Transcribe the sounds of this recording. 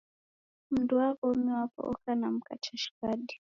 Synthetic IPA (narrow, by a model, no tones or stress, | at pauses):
m̩duakɔumiwapɔ̰ʔɔ̰kanam̩ka̰t͡ʃaʃi̥kaɗi